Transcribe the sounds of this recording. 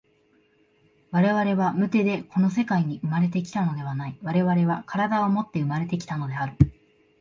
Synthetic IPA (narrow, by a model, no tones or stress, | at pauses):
βaɾe̞βaɾe̞βamɯ̟t̪e̞d̪e̞ko̞no̞s̬e̞kaiɲ̟iɯ̟maɾe̞t̪e̞k̬ʲi̥t̪ano̞d̪e̞βanaiβaɾe̞βaɾe̞β̞akaɾad̪aomo̞t̪ːe̞ɯ̟maɾe̞t̪e̞kʲi̥t̪ano̞d̪e̞aɾɯ̟